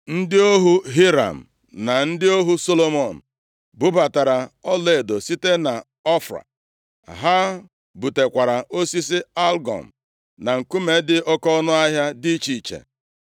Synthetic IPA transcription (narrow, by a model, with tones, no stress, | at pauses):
n̩˦dɪ˦o˦ɦu˦ɦi˦ɾa̰˨m̩˨ | na˨n̩˦dɪ˦o˦ɦu˦so˦lo˨mɔ˨n̩˨ | bʊ˦ba˨ta˨ɾa˨ɔ˦le˨do˨si˦te˦na˨ | ɔ˦fɾa̰˨ | ɦa˦ | bu˨te˨kʷa˨ɾa˨ʔo˦si˦si˦a˦lɡɔ̰˨m̩˨ | na˨ŋ̩˨ku˦me˨˦dɪ˦ɔ˦kɔ˦ɔ˦nʊ˦a˦ɦja˦di˦t͡ʃi˨t͡ʃḛ˨